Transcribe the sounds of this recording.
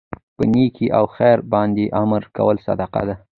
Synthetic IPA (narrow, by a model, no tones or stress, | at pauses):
pənikʰiʔawxajɾbɑnd̪eʔamɾka̰wəlsa̰d̪ɑqa̰d̪a